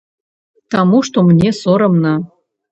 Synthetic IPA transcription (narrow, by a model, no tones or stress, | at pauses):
t̪ɑmuʃt̪omnʲesoɾɤ̆mnɑ